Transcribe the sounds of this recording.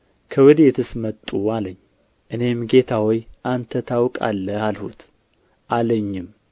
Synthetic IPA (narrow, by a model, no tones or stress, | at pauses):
kʰəwɨd̪et̪ʰɨsmət̪ʼːualəɲː | ʔɨne̞mɡe̞t̪ʰawɔjʔant̪ʰət̪ʰawkʼa̰lːəalhṵt̪ | ʔaləɲːɪm